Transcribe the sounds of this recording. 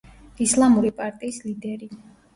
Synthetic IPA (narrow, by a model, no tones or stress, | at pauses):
islˠamuɾipʼaɾt̪ʼiːslid̪ɛɾi